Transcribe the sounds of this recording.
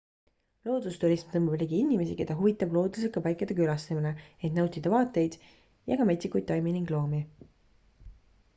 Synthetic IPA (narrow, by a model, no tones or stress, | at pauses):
lo̞ːd̪̥ust̪uɾismt̪ɤmublʲiɡiinʲime̞sike̞d̪̥ɑɦuvit̪ːˑɑblo̞ːd̪us̬ekɑpɑjkːˑɑd̪ekylɑst̪eminee̞t̪nɑwt̪ˑid̪̥ɑvɑːt̪ːˑe̞jd̪̥ | jɑɡ̥ɑmet̪sikːujd̪ːɑjminiŋɡ̥lo̞ːmi